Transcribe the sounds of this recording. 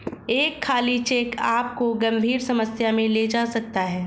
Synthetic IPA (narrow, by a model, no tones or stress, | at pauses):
eːkʰːaːlit͡ʃeːkaːp̚koɡɐ̃mbʱiːɾsɐməsjamẽled͡ʒaːsɐk̚t̪aɦɛː